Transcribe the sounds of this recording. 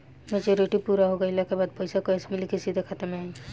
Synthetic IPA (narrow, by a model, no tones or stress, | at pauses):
mɛd͡ʒoːɾɪʈipuːɾaɦoɡɐɪlakebaːd̪̚pɛɪsakoɛsmɪlikɪsid̪ʱexʰɐt̪əmẽaːi